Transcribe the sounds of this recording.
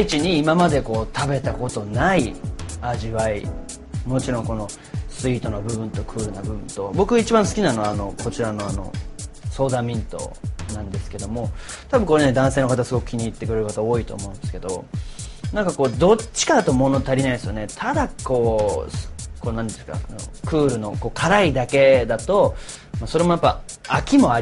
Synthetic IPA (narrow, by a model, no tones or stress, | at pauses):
it͡ɕiɲ̟iːmamad̪e̞ko̞ːt̪ʰabe̞t̪ako̞t̪o̞naiaʑiβai | mo̞t͡ɕiɾõ̞ŋko̞no̞ | sɨiːt̪o̞nobɯ̟bɯ̟̃nt̪o̞kʰɯ̟ːɾɯnabɯ̟bɯ̟̃nt̪o̞bo̞kɯ̟ait͡ɕibãɰ̃sɨ̥kʲinanoano̞ko̞t͡ɕiɾano̞ano̞̰so̞ːd̪amʲĩnt̪o̞̰nãnd̪e̞sɨ̥ke̞d̪o̞mo̞ | t̪abɯ̟ŋ̃ko̞ɾe̞ne̞d̪ãɰ̃seːnokat̪asɨɡo̞kɯ̟̥kʲiɲ̟iːt̪ːe̞kɯɾe̞ɾɯ̟kat̪ao̞ːit̪o̞̰ːmo̞ɯ̟̃nd̪esɨ̥ke̞d̪o̞ | nãŋkako̞ːd̪o̞t͡ɕːi̥kad̪at̪o̞mo̞no̞t̪aɾʲinaĩesɨjone̞t̪ʰad̪ako̞ː | koːnãnd̪e̥ka̰no̰kɯ̟ːɾɯ̟no̞ko̞ːkʰaɾaid̪ake̞d̪at̪o̞ | maso̞ɾe̞mo̞japːa | akʲimo̞aɾʲ